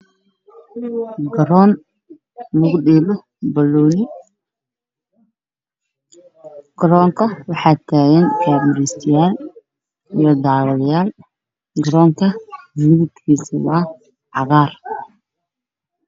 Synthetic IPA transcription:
ɡɐɾɔːn | lʊɣɖɪːmɔ | bɐlːɔːnɪ | ɡ̥ɐɾɔːŋkʰɐwɑħɑːt̪ʰaːɣɛnkʰaːmɪɾɛst̪ʰɪjaːl | ijɔd̪ɑːwɐðɐjaːl | ɡɐɾɔːŋkʰɐmɪβɪt̪kʰiːsɪwaː | ʕɑɣɑːr

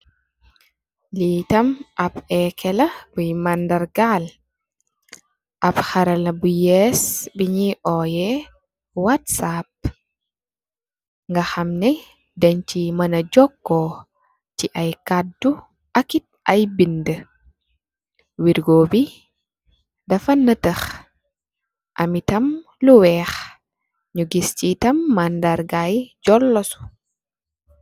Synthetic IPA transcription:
litamʔapɛkʰɛlabujmandaɾɡal | ʔaphaɾalabujɛsbiɲiʔɔjɛ | watsap̚ | ŋɡahamnɛ | daɲt͡ʃimanad͡ʒɔkːɔ | ciʔɐjkadːu | ʔɐkit̚ɐjbində | wiɾɡoːbi | dɐfɐnːɐtəx | ʔɐ̰mitɐm | luwɛːx | ɲuɡiscitɐmːɐndaɾɡajɟɔlːɔsu̥

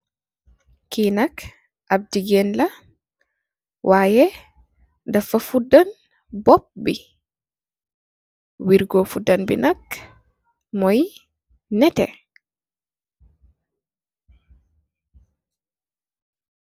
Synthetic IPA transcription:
kinak | ʔab̚diɡɛnla | wʔaːjɛ | dafafudan | bɔp̚bi | wiɾɡɔfudanbḭnak | mɔj | nɛtɛ̰

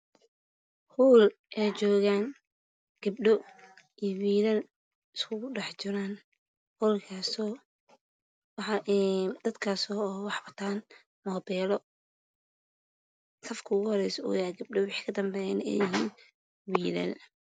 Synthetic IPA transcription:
huːl | ʔɛjt͡ʃɔːɣaːŋ | ɡ̥ɐb̚ɖɔ | iwiːðɐl | ɪskʰʊɣʊɖɑħt͡ʃɪɾaːn | huːlkʰaːsɔː | wɑħɑʔd̪̥ɐd̪kʰaːsɔːwɑħbɐt̪ʰaːn | mɔːbɛːlɔ | sɐfkʰɐʊɣʊhɔɾɛjsɔṵːjaːɡɐb̚ɖɔwɑħi̥kʰɐd̪ɐmbɛjɛnɛ̰jɪɦiːn | wiːlɐ̰l

